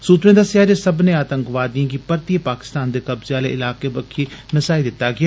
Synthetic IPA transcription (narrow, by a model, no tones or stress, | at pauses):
suːt̪ɾẽːd̪əsjaːd͡ʒesəbneaːt̪ə̃ŋkʋaːd̪ijãːɡipəɾt̪iepaːkɪ̥st̪aːnd̪eːkɐbzeaːlḛʔɪlaːkebəkʰiːnɪsaːid̪ɪt̪ːaɡɪaː